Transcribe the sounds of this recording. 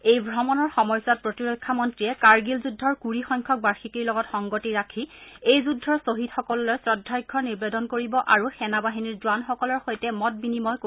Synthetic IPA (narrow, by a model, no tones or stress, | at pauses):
ejbʱɹɔmɔnɔɹxɔmɔjsat̚pɹotiɹokʰːamɔntɹijɛkaɹɡilzudʱːɔɹkuɹixɔjŋkʰɔk̚baɹxikiɹlɔɡɔtxɔŋɡotiɹakʰiejzudʱːɔɹsoɦitxɔkɔlɔlojsɹɔdʱːɔjɡʰʱːɔniɹbedɔnkoɹibɔʔaɹuxɛnabaɦiniɹzʊwanxɔkɔlɔɹxojtɛmɔt̚binimɔjko